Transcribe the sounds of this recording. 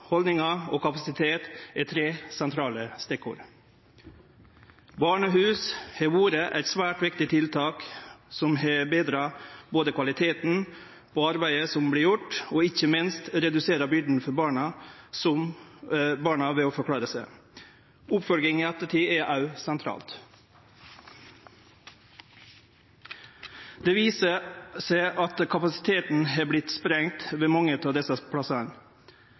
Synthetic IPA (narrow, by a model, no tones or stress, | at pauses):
hɔld̪nɪŋɑoːkʰɑpɑsɪt̪ʰeːt̪ɛt̪ʰɾeːsɛnt̪ʰɾɑːləst̪ɛkːʊ̰ːɾ | bɑːɳəɦʉːshɛʋuːɾəʔæ̰t̪sʋæːʈʋɪkt̪ɪt̪ʰɪlt̪ʰɑːksɔmhɛbeːd̪ɾɑːboːd̪əkʰʋɑlɪt̪ʰeːt̪n̩ | pʰoːɑɾbæɪəsɔmbliːɾjʊʈːoːɪçəmɪnst̪ɾɛd̪ʉseːɾɑbʏɖ̪n̩fɔɾbɑːɳɑsɔm | bɑːɳɑʋɛːoːfɔɾkʰɽɑːɾəsæɪ | ʊpfɔlɡɪŋiːɛt̪əʈiːɛʔɑʉsɛnt̪ʰɾɑ̰ːlt̪ | d̪̥eːʋiːsəsæɪʔɑt̪kʰɑpɑsɪ̥t̪ʰeːt̪n̩ɦɑːblɪt̪spɾɛŋt̪ʋeːmɑŋət̪ʰɑːʋd̪ɛsəpʰɽɑsɑɳ